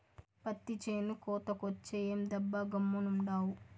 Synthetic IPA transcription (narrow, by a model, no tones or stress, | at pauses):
pɐt̪ːit͡ʃeːnukɔːt̪ɐkot͡ʃːejeːmd̪ɐbːɐɡɐmːunuɳɖaːwu